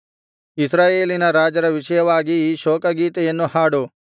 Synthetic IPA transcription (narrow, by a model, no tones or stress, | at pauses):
isɾaːjeːlinɐɾaːd͡ʒɐɾɐʋiʃɐjɐʋaːɡiʃoːkɐɡiːt̪ejɐnːuhaːɽu